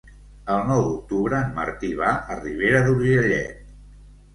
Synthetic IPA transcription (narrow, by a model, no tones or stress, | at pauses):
əlˠnɔwðuk̚t̪uβɾəːnmə̰ɾt̪iβaʔəriβ̞eɾəðuɾʒəʎɛ̰t̪̚